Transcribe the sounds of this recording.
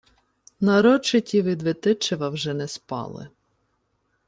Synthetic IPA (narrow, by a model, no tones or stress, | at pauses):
nɐɾɔt͡ʃɪtʲiʋɪd̪ʋɪt̪ɪt͡ʃeʋɐwʒɛnɛspɑ̰lˠɪ̰